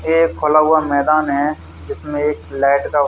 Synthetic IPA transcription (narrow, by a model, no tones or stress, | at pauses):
eːkʰːolaɦʊamɛːd̪aːnɦɛ | d͡ʒɪsmẽeːklɛːʈka